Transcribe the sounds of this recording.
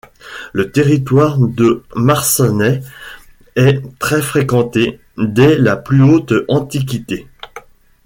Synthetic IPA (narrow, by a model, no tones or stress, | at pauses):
lət̪eʁit̪waʁd̪əmaʁsɔnɛ | ɛt̪χɛfχekɑ̃t̪e | d̪ɛlaplyot̪ɑ̃t̪ik̬ʲit̪e